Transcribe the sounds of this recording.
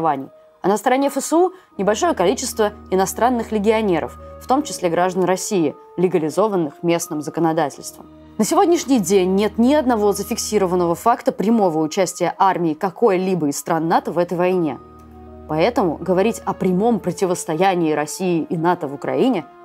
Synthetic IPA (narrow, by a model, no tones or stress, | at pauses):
vanʲɪ̰j | ɐnəst̪əɾɐnʲefəsəu | nʲɪbɐlʲʂo̞jəkɐlʲit͡ɕɪst̪vəɪnɐst̪ɾanːɨxlʲɪɡʲɪɐnʲe̞ɾə̰fːt̪o̞mt͡ɕɪ̥sʲlʲe̞ɡɾaʐd̪ənrɐsʲijɪ | lʲɪɡəlʲɪzo̞vənːɨxmʲe̞snɨmzəkənɐd̪atʲɪ̰lʲst̪və̰m | nəsʲɪvo̞dʲnʲɪʂnʲɪjdʲenʲːe̞t̪nʲɪɐd̪nɐvo̞zəfʲɪksʲiɾəvənːəvəfakt̪əpɾʲɪmo̞vəʊt͡ɕæsʲtʲɪjəʔarmʲɪːkɐko̞jəlʲibəɪst̪ɾanːat̪əvɛt̪əjvɐjnʲe̞̰ | pɐɛt̪əmʊ̰ɡəvɐɾʲitʲɐpɾʲɪmo̞mpɾətʲɪvəst̪ɐjænʲɪːɾɐsʲijɪʔːnat̪əvʊkɾɐ̰inʲɪ